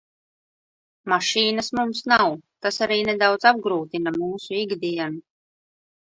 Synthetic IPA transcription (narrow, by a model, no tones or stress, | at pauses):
maʃiːnasmumsnawt̪asaɾiːnɛd̪awd̪zab̚ɡɾuːt̪inamuːsuiɡd̪iɛnu